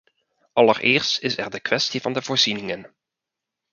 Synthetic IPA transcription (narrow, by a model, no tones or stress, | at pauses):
ʔɑlərʔɪːɹstɪsɛɹdəkʋɛstivɑndəvoːɹz̥inɪŋən